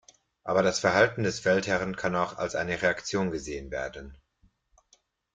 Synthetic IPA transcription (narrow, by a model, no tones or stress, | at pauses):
ʔaːbɐɾasfɛɐhaltn̩dɛsfɛlthɛʁənkʰanaʊxa̰lsʔa̰ɪnəʁeakt͡sjoːnɡəzeːənvḛːɐdn̩